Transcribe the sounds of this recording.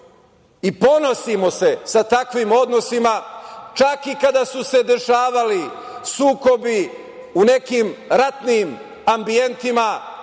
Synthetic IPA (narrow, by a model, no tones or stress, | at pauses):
ipo̞no̞simo̞se̞sat̪akʋimo̞d̪no̞simat͡ʃakikad̪asuse̞d̪e̞ʃaːʋalisuːko̞bi | une̞kiːmɾat̪niːm | ambie̞nt̪ima